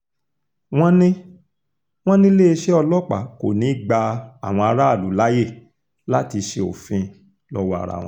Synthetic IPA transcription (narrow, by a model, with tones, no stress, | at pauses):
w̃ɔ̃˦nĩ˦ | w̃ɔ̃˦nĩ˦le˦e˧ʃɛ˦ɔ˧lɔ˦k͡pa̰˨ko̰˨nĩ˨˦ɡ͡ba˧a̰˨w̃ɔ̃˧a˧ɾa˦a˦˨lu˨˦la˦je˦˨ | la˦ti˧ʃe˧o̰˨fĩ˧ | lɔ˦wa̰˦˨ɾa̰˨w̃ɔ̃˦